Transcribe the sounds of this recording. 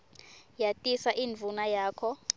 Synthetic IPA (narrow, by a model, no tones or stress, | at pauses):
jatʼisaʔinvʱunajaːkʰɔ